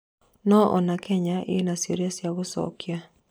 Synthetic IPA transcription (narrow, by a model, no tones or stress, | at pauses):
nɔʔɔ̰nakʰɛɲaʔɪ̰nasjeɾjasjaɡʊsɔ̰kja